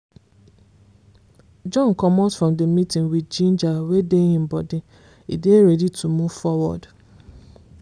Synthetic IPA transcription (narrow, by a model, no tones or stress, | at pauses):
d͡ʒɔ̃nkɔmɔtfɹɔ̃mdəmitĩŋwidd͡ʒĩnd͡ʒawedeĩm̩bɔdɪ | ḭdeɾɛditʰumuv̥fɔwɔ̰d